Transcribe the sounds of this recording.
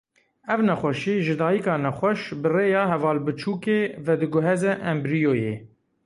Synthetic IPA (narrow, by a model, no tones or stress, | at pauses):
ɛvnɛxʷɛʃiːʒɨd̪ɑːjikɑːnɛxʷɛʃbɨreːjɑːɦɛvɑːlbɨt͡ʃʰuːkeːvɛd̪ɨɡʊɦɛzɛʔɛmbɾijoːjḛː